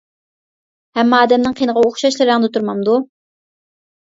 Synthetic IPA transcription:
hɛmːɑːd̪ɛmnɨŋqʰijnəʁɑoχʃɑʃlˠɨɾɑŋd̪ɨt̪ʰuɾmɑmd̪u

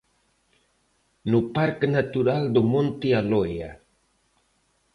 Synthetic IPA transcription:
nupaɾknat̪uɾald̪umont̪ialoja̰

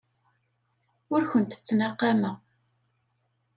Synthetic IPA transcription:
ʊɾçənt̪ə̥t͡sːnɑqːɑmə

